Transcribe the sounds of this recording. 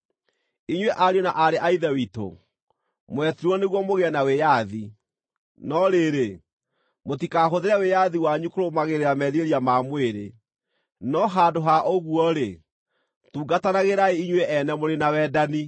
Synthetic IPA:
iɲweʔaɾiɔnaʔaɾeʔaiðɛwito̰ | mwɛtiɾwɔneɣwɔmoɣɛɛnawejaði | nɔɾeɾe | motikaɦoðeɾɛwejaðiwaɲukoɾomaɣeɾeɾamɛðieɾiamamweɾe | nɔɦadoɦaʔoɣuɔɾe | tuːɡatanaɣeɾaeiɲweʔɛnɛmoɾenawɛdani

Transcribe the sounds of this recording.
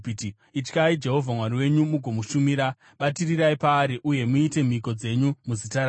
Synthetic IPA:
t | it͡ʃkaid͡ʒe̞ɦo̞vʱamwaɾiwe̞ɲumuɡʱo̞muʃumiɾa | ɓatiriɾaipaːɾiʔuje̞muite̞m̤iko̞d͡ze̞ɲumuzitaɾa

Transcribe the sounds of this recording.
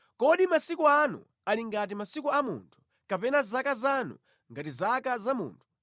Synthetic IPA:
kɔɗimasikuanṵ | aliŋɡat̬imasikuamṵːntʰu̥ | kapɛnazakazanṵ | ŋɡatizakazamṵːntʰu̥

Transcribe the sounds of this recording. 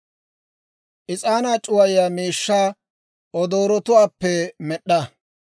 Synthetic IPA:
ʔɪt͡sʼaːnaːt͡ʃʼʊwɐjɪjaːmiːʃːaː | ɔd̪oːɾɔt̪ʊwaːpːɛmɛɗːɐ

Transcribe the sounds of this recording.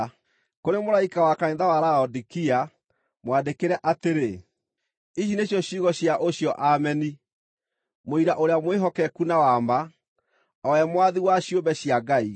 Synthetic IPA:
koɾemoɾaikawakaẽnðawaɾaɔdikia | mwadekeɾɛʔateɾe | iɕ̬ineɕjɔɕiɣɔɕjaʔoɕjɔʔamɛni | moiɾaʔoɾeamweɦɔkɛkunawama | ɔɛmwaðiwaɕjombɛɕiaɡai

